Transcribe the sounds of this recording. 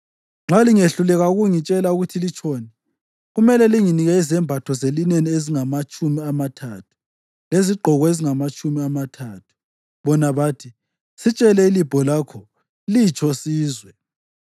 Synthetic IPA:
ŋ͡ǁʱaliŋeɬulɛɣauɣuŋit͡ʃʼɛlauɣutʰilit͡ʃʰɔːnɛ | ɣumɛlɛliŋiniɣɛizɛmbʱatʰɔzelinenieziŋamat͡ʃʼumiamatʰatʰu̥ | leziɡ͡ǃʱɔɣɔeziŋamat͡ʃʼumiamatʰaːtʰu̥ | βɔnaβaːtʰi | sit͡ʃʼɛlɛilib̥ʱɔlaːkʰɔ | lit͡ʃʰɔsiːzwɛ

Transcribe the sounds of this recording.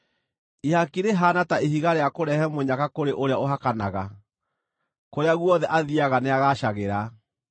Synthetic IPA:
ihakiɾeɦaːnataiɦiɣaɾeakoɾɛhɛmoɲakakoɾeʔoɾeaoɦakanaɣa | koɾeaɣwɔðɛʔaðiaɣaneaɣaʃaɣeɾa

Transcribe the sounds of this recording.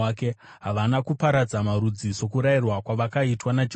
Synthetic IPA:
ake̞ | ɦaʋanakupaɾad͡zamaɾud͡ziso̞kuɾairwakwaʋakaitwanad͡ʒ

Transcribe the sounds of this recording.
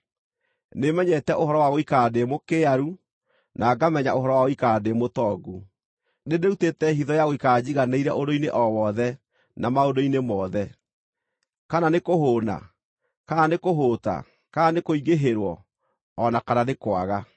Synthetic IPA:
nemɛɲɛtɛʔoɦɔɾɔwaɣoikademokeaɾu | nʔaːɡamɛɲaʔoɦɔɾɔwaɣoikademotɔːɡu | nedeutetɛɦiðɔjaɣoikaːd͡ʑiɣaneiɾɛ̰ʔodoineʔɔwɔðɛ | namaodoinemɔːðɛ | kananekoɦoːna̰ | kanekoɦoːta̰ | kaanekoiɣeɦeɾwɔː | nakananekwaɣa

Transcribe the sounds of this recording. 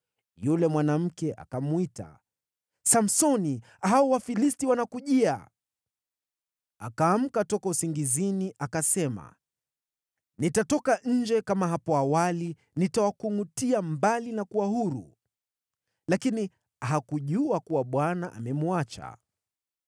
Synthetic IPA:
julɛmwanam̩kɛʔa̰kamuita̰ | sam̩sɔni | ɦaɔwafilistiwanakuʄia̰ | akaːm̩katɔkausiŋɡiziniʔakasɛma̰ | nitatɔkaʔɲ̩d͡ʒɛkamaɦapɔawali | nitawakuŋutiambalinakuwaɦuɾṵ | lakini | aɦakuʄuakuwaɓwanaʔa̰mɛmuat͡ʃa̰

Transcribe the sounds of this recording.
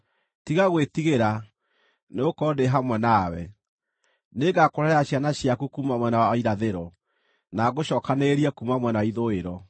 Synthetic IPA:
tiɣaɣwetiɣeɾa | neokɔdeɦamwɛnawɛ̰ | neɡakoɾɛɾɛaɕjanaɕjakukumamwɛnawɔiɾaðeɾɔ | naɣoɕɔːkaneɾiɛkumamwɛnaiðoeɾɔ

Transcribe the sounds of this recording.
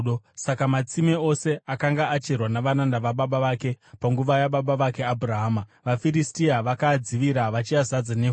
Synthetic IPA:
osakamat͡simeo̞se̞ʔakaŋɡaat͡ʃerwanaʋanandaʋaɓaɓaʋake̞paŋɡuʋajaɓaɓaʋake̞abʱuraɦaːmaʋafiɾistiaʋakad͡ziʋiɾaʋat͡ʃiazad͡zaneɦ

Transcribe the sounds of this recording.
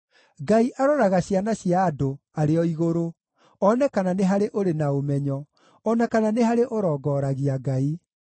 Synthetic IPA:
ɡaiʔaɾɔɾaɣaɕianaɕiaːdo | aɾeɔiɣoɾo | ɔnɛkananeɦaɾeʔoɾenaomɛɲɔ | ɔnakananeɦaɾeʔoɾɔːɡɔːɾaɣiaɡai

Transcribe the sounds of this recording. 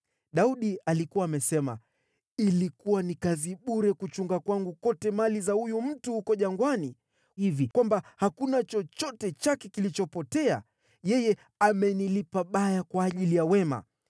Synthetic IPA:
ɗauɗialikuwaːmɛsɛma̰ | ilikuwanikaziɓuɾɛkut͡ʃuŋɡakwaŋɡukɔtɛmalizahujum̩tuhukɔʄaŋɡwani | ivikwambahakunat͡ʃɔt͡ʃɔtɛt͡ʃakɛkilit͡ʃɔpɔtɛa̰ | jɛjɛ | amɛnilipaɓajakwaːʄilijawɛma̰

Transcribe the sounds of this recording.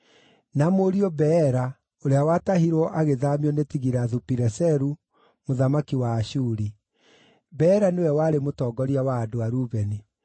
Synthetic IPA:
namoɾiɔbɛɾa | oɾeawatahiɾwɔʔaɣeðamiɔnetiɣiɾaðupiɾɛsɛɾu | moðamakiwaːʃuɾi | bɛːɾanewɛwaːɾemotɔːɡɔɾiawaːdoaɾuβɛni

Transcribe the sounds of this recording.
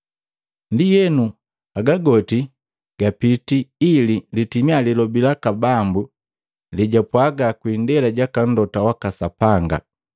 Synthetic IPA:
ndijɛnu | aɡaɡɔti | ɡ̥apitiːlilitimialilɔbilakabambu | liɟapwaɡakwindɛlaɟakan̩dɔtawakasapaŋɡa̰

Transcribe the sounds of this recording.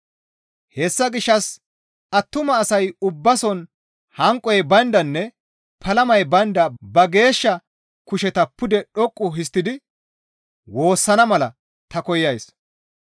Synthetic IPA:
hɛsːɐɡɪʃːɐs | ɐt̪ːʊmɐːsɐjʊbːɐsɔn | hɐŋkʼːɔjɛbɐnd̪ɐnːɛ | pʰɐlɐmɐjbɐnd̪ɐbɐɡe̞ːʃːɐ | kʊʃɛt̪ɐpːʊd̪ɛɗɔkʼːʊɦɪs̬t̪ːɪd̪ɪ | wo̞ːsːɐnɐmɐlɐ | t̪ɐkɔjːɐjs

